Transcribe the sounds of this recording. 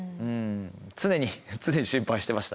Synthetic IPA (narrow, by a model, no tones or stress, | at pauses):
ɯ̃ɴt͡sɨne̞ɲ̟it͡sɨne̞ɲ̟iɕĩmpaiɕi̥t̪emaɕi̥t̪a